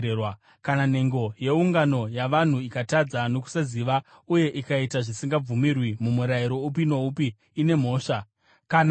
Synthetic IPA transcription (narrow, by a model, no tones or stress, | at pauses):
ewa | kanan̤e̞ŋɡo̞je̞uŋɡano̞jaʋan̤uikatad͡zano̞ku̥saziʋa | uje̞ʔikaitaʐisiŋɡab͡vumirwimumuɾajiɾo̞up̬ino̞upiː | ne̞m̤o̞ːʂa | kan